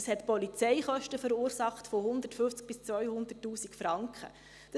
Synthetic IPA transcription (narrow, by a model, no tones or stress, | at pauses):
shɛtpɔlit͡sɛɪχœʃtəfəɾuːɾsɑχtfoɦʊnd̪ətfʏft͡sk̚b̥ɪst͡svœʏhʊnd̥̪ətːuːsikfɾɑŋkχə̰ | d̥